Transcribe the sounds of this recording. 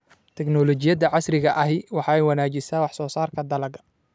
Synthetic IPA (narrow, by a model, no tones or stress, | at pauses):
t̪ʰɛɡnɔlɔt͡ʃɪjɐd̪ɐʕɑsrɪɣɐʔɐɦɪjwɑħɑːɛjwɑnaːt͡ʃɪsaːwɑħsɔːsaːrkʰɐd̪ɐlɐɣɐ